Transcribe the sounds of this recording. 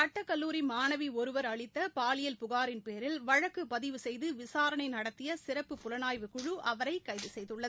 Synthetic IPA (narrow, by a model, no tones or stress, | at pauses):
ɐʈːɐkːɐlːuːɾimaːnɐʋiɔɾɯʋɐɾɐɭɪt̪ːɐpaːlɪjɐlpʊɣaːɾɪnpeːɾɪlʋɐɻɐkːɯpɐðɪʋɯsɛjðɯʋɪsaːɾɐɳɐɪnɐɽɐt̪ːɪjɐsɪɾɐpːɯpːʊlɐnaːjʋɯkːʊɻɯʔɐʋɐɾɐɪkːɐɪðɯsɛjðɯɭːɐðɯ